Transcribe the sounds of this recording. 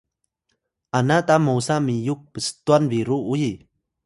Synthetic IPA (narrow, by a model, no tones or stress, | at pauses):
ʔanat̪amowsamijuk̚pəsə̥t̪uanviɾuuji